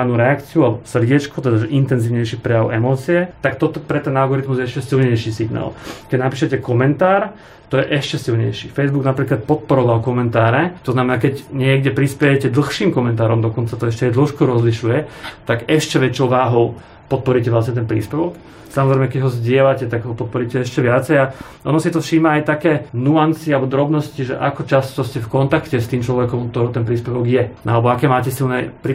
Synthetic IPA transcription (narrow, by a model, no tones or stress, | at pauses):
anuɾɛakt͡siualɛbɔsr̩ɟɪɛt͡ʃkut̪ɛd̪aʒɛʔint̪ɛnziːʊɲɛjʃipɾɛjaʊʔɛmɔːt͡siɛt̪akt̪ɔt̪ɔpɾɛt̪ɛnalɡɔɾit̪muzjɛɛʃcɛsilɲɛjʃisiɡna̰ːlkɛɟnapiːʃɛcɛkɔmɛnt̪aːɾ | t̪ɔjɛʔɛʃcɛsilɲɛ̰jʃifɛjzbuɡnapɾiːklat̪̚pɔt̪̚pɔɾɔʋalkɔmɛnt̪aːɾɛt̪ɔznamɛnaːkɛɟɲɪɛɡɟɛpɾispɛjɛcɛd̪l̩xʃiːmkɔmɛnt̪aːɾɔmd̪ɔkɔnt͡sat̪ɔɛʃcɛjd̪l̩ʃkɔɾɔzliʃujɛt̪aɡɛʃcɛʋɛt͡ʃɔʊʋaːɦɔʊ | pɔt̪̚pɔɾicɛʋlasɲɛt̪ɛnpɾḭːspɛʋɔk | samɔzɾɛɪmɛkɛɟɦɔzɟɪɛlacɛt̪aɡɦɔpɔt̪̚pɔɾicɛɛʃcɛʋɪat͡sɛja | ʔɔ̰nɔsit̪ɔfʃiːmaːjt̪akɛːnuant͡sialbɔd̪ɾɔbnɔsciʒɛ̰ʔakɔt͡ʃast̪ɔscɛfkɔnt̪akcɛst̪iːmt͡ʃlɔʋɛkɔmkt̪ɔɾɔʊt̪ɛnpɾiːspɛʋɔɡjɛalɛbɔakɛːmaːcɛsilnɛpɾi